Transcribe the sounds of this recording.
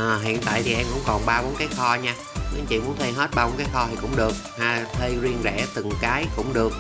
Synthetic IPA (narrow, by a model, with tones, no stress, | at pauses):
ʔəː˨˩ɦḭ˧˨ənt̪a̰ː˧˨jt̪ʰi˨˩ʔɛ˧mkʊ̰˧˥wŋ͡mkɔ˨˩nɓaː˧ɓo˨˦nkaː˨˦jxɔ˧ɲaː˧ | mi˨˧˦t͡ɕḭ˧˨mu˨˦ənt̪ʰə˧jɦə˦˥t̚ɓaː˧ɓo˨˦nkaː˨˦jxɔ˧t̪ʰi˨˩kʊ̰˧˥wŋ͡mɗɨ˨˩ək̚haː˧˩t̪ʰə˧jzi˧ənzɛ̰˧˩t̪ɨ˨˩ŋkaː˨˦jkʊ̰˧˥ŋ͡mɗɨ˨˩ək̚